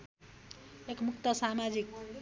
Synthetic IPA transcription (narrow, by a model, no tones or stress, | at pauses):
ekmukt̪ʌsamad͡zik̚